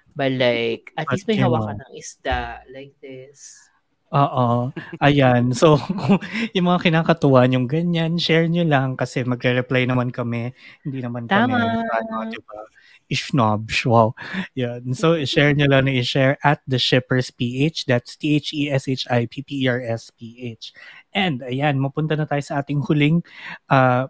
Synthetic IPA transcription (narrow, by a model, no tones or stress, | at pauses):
bɐlajkɐt̪ismɐhɐwakɐnɐŋɪsd̪̥alajk̚d̪ɪs | ʔoːʔoʔɐjansokʊŋjʊŋmɐŋakɪnaːkɐt̪ʊwaʔɐɲʊŋɡɐɲanʃɛɹɲolɐŋkɐsɛmɐɡɾɛɾɛplajnɐmankɐmɛhɪ̃nd̪iːnɐmank̪aɐmaaːnoɐɪbɐ | ʔɪʃnabʃwawjansoɪʃɛɹɲolɐŋnɐʔɪʃɛɹɐt̪̚d̪ɐʃɛpɛɹspiːʔet͡ʃd̪at̪st̪iejt͡ʃiʔɛset͡ʃajpʰiːpiaɹɛspiːʔet͡ʃʔɛ̃nd̪ɐjanmɐpʊnt̪ɐnɐt̪aːjosɐʔaːt̪ɪŋhʊlɪŋʔaː